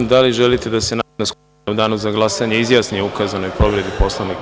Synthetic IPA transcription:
d̪aliʒe̞lit̪e̞d̪ase̞nanoskup | ud̪aːnuzaɡlˠasaɲeizjaːsnijeukazano̞jpɾo̞ʋɾe̞d̪ipo̞sloʋnik

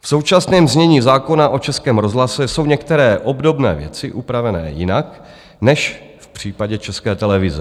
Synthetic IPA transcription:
fso̞wt͡ʃasnɛːmzɲɛɲiːzaːko̞naʔo̞t͡ʃɛskɛːmɾozɦlasɛso̞wɲɛkt̪ɛɾɛːʔo̞bdo̞bnɛ̰ːvjɛ̰t͡sɪʔupɾavɛnɛ̰ːjɪnak | nɛʃ | fpr̝̥iːpaɟɛt͡ʃɛskɛːt̪ɛlɛvɪzɛ

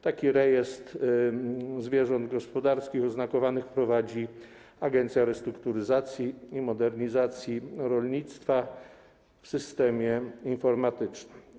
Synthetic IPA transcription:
t̪akʲiɾɛjɛst̪ | zvʲjɛʐɔnd̪ɡɔspɔd̪aɾskʲixɔznakɔvanɘxpɾɔvad͡ʑi | aɡɛnt̪sʲjaɾɛst̪ɾukt̪uɾɘzat̪sʲjiimɔd̪ɛɾɲizat̪sʲjiɾɔlɲit̪st̪fa | fsɘst̪ɛmʲjɛinfɔɾmat̪ɘt͡ʂnɘm

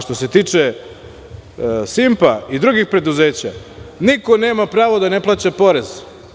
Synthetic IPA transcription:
ʃt̪o̞set̪iːt͡ʂe | simpaid̪ɾuɡixpɾe̞d̪uze̞ːt͡ɕaniko̞ne̞ːmapɾaːʋod̪ane̞plˠaːt͡ɕapo̞ɾez̥

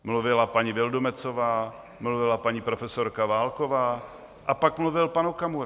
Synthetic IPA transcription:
mluvɪlapaɲivɪldomɛt͡sovaː | mluvɪlapaɲipɾofɛsoɾkavaːlkovaː | ʔapakmluvɪlpanukamuɾ

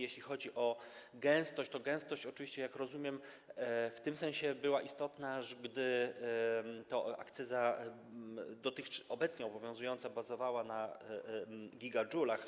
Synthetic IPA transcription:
jeɕlʲixɔd͡ʑiʔɔɡɛ̃w̃st̪ɔɕt͡ɕt̪ɔɡɛ̃w̃st̪ɔɕt͡ɕɔt͡ʂvʲiɕt͡ɕɛjakɾɔzumʲjɛm | ft̪ɘmsɛ̃ñɕɛbɘwaʔist̪ɔt̪naʐɡd̪ɘ | t̪ɔa̰kt̪sɛza | d̪ɔt̪ɘxɔbɛt̪sɲɛɔbɔvʲjɔ̃zujɔnt̪sabazɔvawana | ɡʲiɡad͡ʐulax

